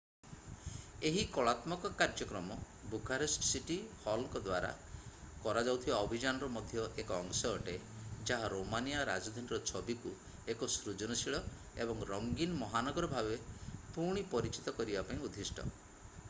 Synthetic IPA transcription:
eɦikɔɭat̪mɔkɔkaɾd͡ʒɔkɾɔmɔ | buɡʰʱaɾisʈsiʈihɔlkɔd̪waɾa̰ | kɔɾad͡ʒawt̪ʰibaɔbʱid͡ʒanɔɾɔmɔd̪ʱjɔʔekɔːŋsɔɦɔʈed͡ʒaɦaɾomanijaɾa̰d͡ʒɔd̪ʱaniɾɔt͡ʃʰɔbiku | ekɔsɾud͡ʒɔnɔsiɭɔ | ebɔŋɾɔŋɡinɔmɔɦanɔɡɔɾɔbʱabepuɾɽ̃ipɔɾit͡ʃit̪ɔkɔɾibapaĩud̪ʱisʈɔ̰

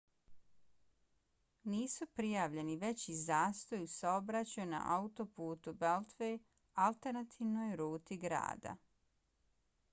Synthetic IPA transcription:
niːsupɾijaːʋʎe̞niʋe̞t͡ɕizaːst̪o̞jusaobɾat͡ɕajuna̰ʔaut̪o̞puːt̪ubelt̪ʋej | alˠt̪eɾnat̪ʰiːʋnojɾuːt̪iɡɾa̰ːd̪a̰

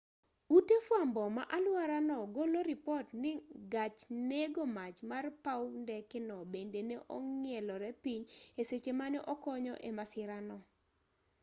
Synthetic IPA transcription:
utefwambɔma̰ʔalwaɾanɔɡoloɾɪpɔtnɪɡat͡ʃneɡomat͡ʃmarpawndɛkɪnɔbendeneʔɔŋɪɛlɔɾɛpiɲeset͡ʃemanɛʔɔkɔɲɔ̰ʔemasɪɾanɔ

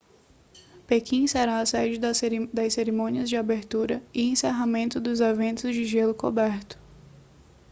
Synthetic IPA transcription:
pekĩseɾaːsɛd͡ʒɪd̪ɐd̪ɐjseɾimõniɐzd͡ʒɪabeɾt̪uɾɐɪẽseɦamẽnt̪ʊd̪ʊzevẽnt̪ʊzd͡ʒɪʒelʊkobɛɾt̪ʊ̥

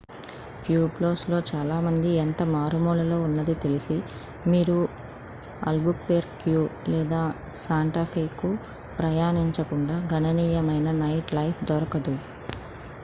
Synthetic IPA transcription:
pʰjuːploːslo̞ːt͡ʃaːlaːmɐnd̪ient̪ɐmaːɾumuːlɐlo̞ːunːɐd̪it̪e̞lisi | miːɾu | ɐ̰lbukʋeːɾkjuːlɛːd̪aː | saːɳʈɐɾpʰiːkːu | pɾɐjaːniɲt͡ʃɐkuɳɖaːɡʱɐnɐniːjɐmɐjnɐnɐjʈlɐjpʰd̪ɔɾɐkɐd̪u

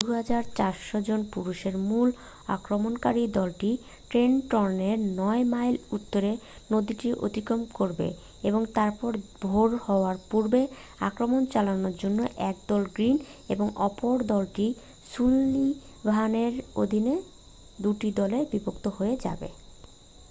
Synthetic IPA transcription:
d̪uɦad͡ʑaɾt͡ɕaɾʃod͡ʑonpuɾuʃeɾmul | a̰kɾomonkaɾid̪ɔlʈi | ʈɾenʈɔɾneɾnɔemajlut̪ːoɾenod̪iʈiʔo̰t̪ikomkoɾbḛ | eboŋt̪aɾpɔɾbʱoɾhɔoaɾpuɾbe | a̰kɾomont͡ɕalanoɾd͡ʑonːoʔɛk̚d̪ɔlɡɾineboŋɔpoɾd̪ɔlʈi | ʃulːi | bʱaneɾo̰d̪ʱine | d̪uʈid̪ɔlebibokt̪oɦoed͡ʑa̰bḛ

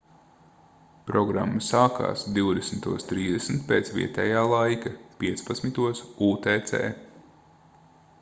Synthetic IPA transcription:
pɾɔɡɾa̰mːasaːka̰ːsd̪iwd̪esm̩t̪uɔst̪ɾiːzd̪esmit̪̚peːt̪svʲḭɛt̪ɛːjaːlˠajkapʲiɛt̪spat̪smʲit̪uɔsuːt̪ɛːt̪sɛ̰ː

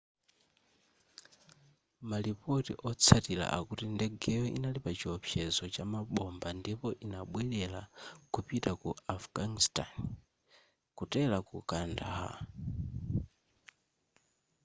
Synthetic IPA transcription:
malipɔtiʔɔt͡sʰatila̰ʔa̰kutindɛɡɛjɔʔḭnalipat͡ʃiɔpʰjɛzɔt͡ʃamaɓɔmbandipɔʔinaɓwɛɗɛlakupitakuafɡ̥anistan | kutɛlakukanda̰ɦa̰

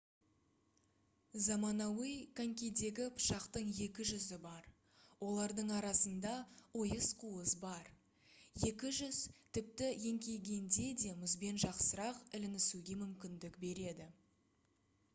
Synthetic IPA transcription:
zɑmɑnɑwijkʰaŋkʲejd̪e̞ɡʲɪpʰʃɑqt̪əɴje̞kʲɪʒʏzɪbɑɾ | wʔo̞lˠɑɾd̪əɴɑɾɑsənd̪ɑo̞jəsqʰuəsbɑɾ | je̞kʲɪʒʏz̥t̪ʰɪp̚t̪ɪje̞ŋkʲe̞lɡʲe̞nd̪e̞d̪e̞mɪzbe̞nʒɑqsəɾɑqɪlɪnɪsuɡʲe̞mʏmkʲɪnd̪ɪkbe̞ɾe̞d̪ɪ

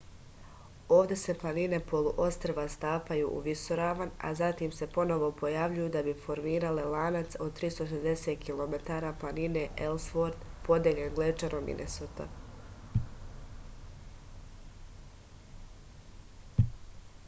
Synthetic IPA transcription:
o̞ːʋd̪e̞se̞plˠanine̞po̞lˠuʔo̞st̪ɾeʋast̪aːpajṵʔṵʋisoɾaːʋana̰zat̪imse̞po̞no̞ʋo̞po̞jaʋʎujud̪abifo̞ɾmiːɾalelaːnat̪so̞d̪̚t̪ɾiːst̪oʃ̬ezd̪e̞seːt̪̚kʰilˠo̞me̞t̪aːɾaplˠanine̞ʔelsfoɾt̪po̞d̪jeʎenɡlet͡ʃanʔomḭnʔḛsot̪a̰

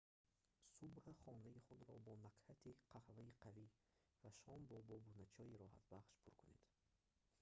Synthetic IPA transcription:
subhaχɔnaiχud̪ɾɔbɔnaqhat̪ʰiqʰahvaiqʰavi | vaʃɔmbɔbɔbunat͡ʃʰɔiɾɔha̰t̪baχʃpʰuɾkʰune̞̰d̪̥

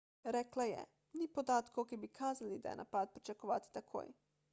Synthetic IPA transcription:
ɾɛːklajɛ̰ | nipod̪aːt̪kokibikʰaːzalid̪a̰jɛ̰nʔa̰paːt̪̚pɾit͡ʃakoʋa̰ːt̪i̥t̪akʰo̰ːj

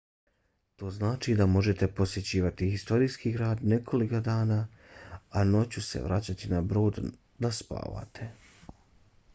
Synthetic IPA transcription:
t̪o̞ːznaːt͡ʃid̪amo̞ʒe̞t̪e̞po̞sje̞t͡ɕiːʋat̪ihist̪o̞ɾijskiɡɾaːd̪ne̞kʰo̞likod̪aːnaː | ano̞t͡ɕusḛʋɾʔat͡ɕat̪inabɾo̞ːd̪ | d̪aspa̰ːʋa̰t̪ʰe̞

